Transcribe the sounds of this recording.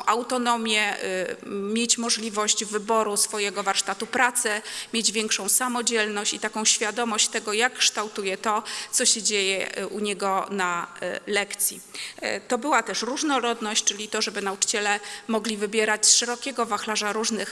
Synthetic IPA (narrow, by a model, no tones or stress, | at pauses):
ʔawt̪ɔnɔmʲjɛ | mʲjet͡ɕmɔʐlʲivɔɕd͡ʑvɘbɔɾusfɔjɛɡɔvaɾʂt̪at̪upɾat̪sɛmʲjed͡ʑvʲjɛŋkʂɔ̃w̃samɔd͡ʑɛlnɔɕt͡ɕit̪akɔ̃w̃ɕfʲjad̪ɔmɔɕt͡ɕt̪ɛɡɔjakːʂt̪awt̪ujɛt̪ɔsɔɕɛd͡ʑejɛ̰ʔuɲɛɡɔnalɛkt̪sʲjḭt̪ɔbɘwat̪ɛʂɾuʐnɔɾɔd̪nɔɕt͡ɕt͡ʂɘlʲit̪ɔʐɛbɘnaut͡ʂɘ̥t͡ɕɛlɛmɔɡlʲivɘbʲjɛɾat͡ɕsʂɛɾɔkʲɛɡɔvaxlaʐaɾuʐnɘx